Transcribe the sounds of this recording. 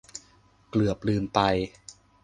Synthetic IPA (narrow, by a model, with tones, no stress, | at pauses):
klɯ˨˩əp̚lɯː˧mpa˧j